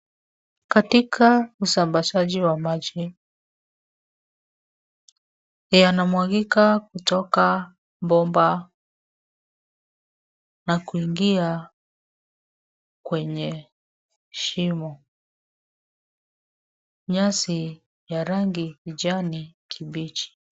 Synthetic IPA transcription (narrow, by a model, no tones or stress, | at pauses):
katikʰausambaʃaʄiwamad͡ʒi | janamwaɡikakutɔka | mbɔmba | nakuiŋɡia | kwɛɲɛ | ʃimɔ | ɲasi | jaɾaŋɡiid͡ʒanikʰiɓit͡ʃi̥